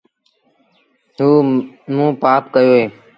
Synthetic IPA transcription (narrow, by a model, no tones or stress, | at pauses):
ɦuːmũːpaːpkəjoːɦeː